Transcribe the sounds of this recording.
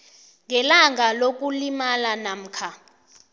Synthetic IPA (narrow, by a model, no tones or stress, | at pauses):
ŋɛlaŋʱalok̬ʼulimalanam̩ːkʰa